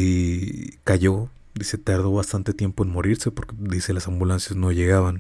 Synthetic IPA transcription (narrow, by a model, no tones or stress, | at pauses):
i | kaʝo̞ | d̪ise̞t̪aɾðo̞βast̪ant̪e̞t̪je̞mpo̞enmo̞ɾiɾse̞po̞ɾked̪ise̞lasambulansjazno̞ʝe̞ɣaβan